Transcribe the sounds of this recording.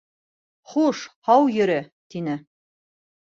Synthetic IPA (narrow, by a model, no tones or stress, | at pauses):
χuʃhɑwjɵ̆ɾɘt̪inɘ